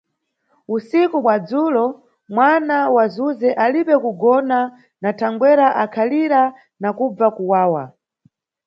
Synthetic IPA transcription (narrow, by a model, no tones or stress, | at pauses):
usikumwad͡zuːlɔ | mwanawazuzɛʔaliɓɛkuɡɔna | natʰaŋɡwɛɾaʔakʰaliɾa | nakub͡vakuwaːwa̰